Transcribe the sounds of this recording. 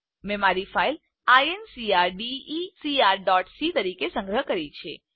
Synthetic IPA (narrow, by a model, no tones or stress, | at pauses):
mɛmaɾifail | aensiaɾɖiːsiaɾɖɔʈsit̪əɾikesə̃ŋɡɾəɦkəɾit͡ʃʰḛ